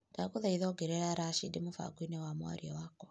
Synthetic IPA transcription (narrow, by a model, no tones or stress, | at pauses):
takuðaiðɔːɡeɾɛɾaɾaʃidimufa̰ɡwinɛwamwa̰ɾiɔwakɔ